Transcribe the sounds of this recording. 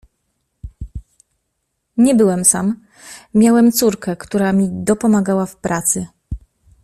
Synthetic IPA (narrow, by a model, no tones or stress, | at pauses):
ɲɛbɘwɛmsamːʲ | jawɛmt̪suɾkɛkt̪uɾamʲid̪ɔpɔmaɡawafpɾʔat̪sɘ